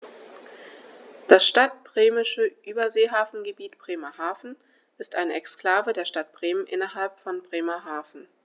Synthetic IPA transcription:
d̥asʃtat̚b̥ʁeːmɪʃəʔyːbɐzeːɦaːfn̩ɡəbiːtb̥ʁ̥eːmɐhaːfn̩ | ʔɪstʔaɪnəɛkskl̥aːvədeːɐʃtat̚b̥ʁ̥eːmənʔɪnɐɦalpfɔnbʁeːmɐɦaːfn̩

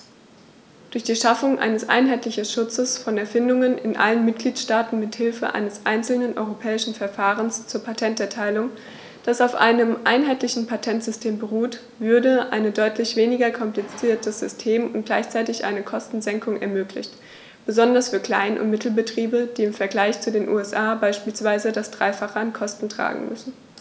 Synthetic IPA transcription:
d̥ʊɐçd̥iːʃafʊŋʔa̰ɪnəsʔa̰ɪnɦaɪtlɪçn̩ʃʊt͡səsfɔnɛɐfɪndʊŋənʔɪnʔa̰lənmɪt̚ɡ̥liːtʃtaːtn̩mɪthɪlfə̰ʔa̰ɪnəsʔaɪnt͡sl̩nənʔɔ̰ʏʁopʰɛːɪʃn̩fɛɐfaːʁənst͡suːɐpʰatʰɛntɛɐtʰaɪlʊŋ | d̥asaʊfʔa̰ɪnəmʔa̰ɪnɦaɪtlɪçn̩pʰatʰɛntz̥ʏstʰeːmbəʁuːt | v̥ʏɐdəʔa̰ɪnədɔʏtʰlɪçv̥eːnɪɡɐkʰɔmplit͡siːɐtəz̥ʏstʰeːmʊntɡ̥laɪçt͡saɪtɪçʔa̰ɪnəkʰɔstn̩zɛŋkʊŋɛ̰ɐmøːklɪ̰çt | b̥əzɔndɐsfyːɐkl̥a̰ɪnʔʊ̰ntmɪtʰl̩bətʁ̥iːbəd̥iːɪmfɛɐɡlaɪçt͡sudeːnʔṵːɛsʔaːbaɪʃpiːlsv̥aɪzədasd̥ʁa̰ɪfaχəankʰɔstn̩tʁ̥a̰ːɡŋ̩mʏ̰sn̩

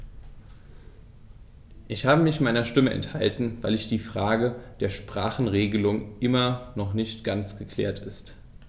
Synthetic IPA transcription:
ʔɪçhaːbəmɪçmaɪnɐʃtɪməʔɛ̰nthaltn̩vaɪlɪçd̥iːfʁ̥aːɡəd̥eːɐʃpʁ̥aːχn̩ʁeːɡəlʊŋʔɪmɐnɔχnɪçtɡ̥ant͡sɡ̥əkʰl̥ɛ̰ːɐtʰɪst

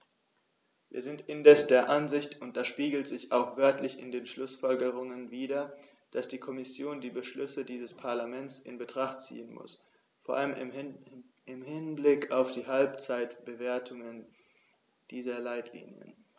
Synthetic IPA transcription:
vḭːɐzɪntɪndɛsd̥eːɐʔanzɪçtʰʊnt̚d̥aʃpiːɡl̩tz̥ɪçaʊxv̥œɐtʰlɪçɪ̰ndeːnʃlʊsfɔlɡəʁ̞ʊŋənviːdɐ | d̥asd̥iːkʰɔmɪsjoːndiːbəʃlʏsədiːzəspʰaɐlamɛnt͡sɪ̰nbətʁ̥aχtt͡sḭːənmʊ̰s | foːɐʔaləm | ɪmhɪnblɪkaʊfd̥iːɦalpt͡saɪtb̥əveːɐtʰʊŋən | d̥iːzɐlaɪtʰlḭːnjə̰n

